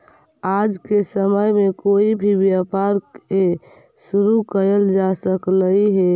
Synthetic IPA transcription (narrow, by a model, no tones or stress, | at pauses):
ad͡ʒkesəməjmekoibʱibjapaɾke | suɾukəɾəld͡ʒasəkləiɦe